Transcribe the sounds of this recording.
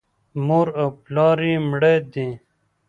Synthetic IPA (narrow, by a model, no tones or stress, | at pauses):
moːɾoplɑːɾiːmɽeːd̪ĩ